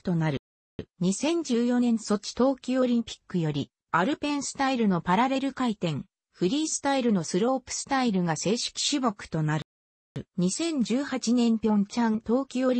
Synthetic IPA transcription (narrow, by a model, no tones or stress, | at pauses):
t̪o̞naɾɯ | ɲ̟isẽ̞ɲ̟d͡ʑɨːjo̞nẽ̞ñso̞t͡ɕi̥t̪o̞ːkʲioɾʲĩmpʲi̥kːɯ̟jo̞ɾʲi | aɾɯ̟pẽ̞ɰ̃sɨ̥t̪aiɾɯ̟no̞paɾaɾe̞ɾɯ̟kait̪ẽ̞ŋ | ɸɯ̟ɾʲiːsɨ̥t̪aiɾɯno̞sɨɾo̞ːpɯ̥sɨ̥t̪aiɾɯ̟ɡase̞ːɕi̥kʲi̥ɕibo̞kɯ̟̥t̪o̞naɾ | ɲ̟isẽ̞ɲ̟d͡ʑɨːhat͡ɕinẽ̞mpʲjõ̞ɲt͡ɕãnt̪o̞ːkʲioɾʲ